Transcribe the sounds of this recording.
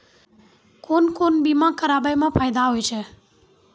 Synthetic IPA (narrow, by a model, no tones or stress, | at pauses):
koːnkoːnbimãːkəɾaːbajmãːpʰaːjd̪aɦoːjt͡ʃʰe